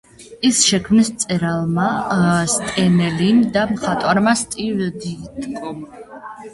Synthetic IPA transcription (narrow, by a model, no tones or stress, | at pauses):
isʃɛkʰmnist̪sʼɛɾalˠmast̪ʼɛnɛlind̪amχat̪ʼwaɾmast̪ʼivɛd̪it̪ʼkʼɔm